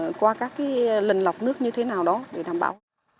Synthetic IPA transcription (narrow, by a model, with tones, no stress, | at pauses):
kwaː˧kaː˦˥kːaː˨˦jlï˨˩ŋ̟la˨˩wk͡p̚nɨ˦˥ək̚ɲɨ˧t̪ʰe˨˦naː˨˩wɗɔ˨˦ɗe˧˩ɗa̰ː˧˩mɓa̰ː˧˩w